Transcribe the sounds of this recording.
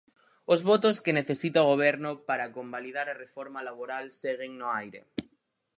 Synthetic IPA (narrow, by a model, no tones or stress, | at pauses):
ʊzβot̪oskeneθesit̪aoɣ̞oβ̞ɛɾnʊpaɾakombaliðaɾarefɔɾmalaβoɾalseɣeŋnoajɾḛ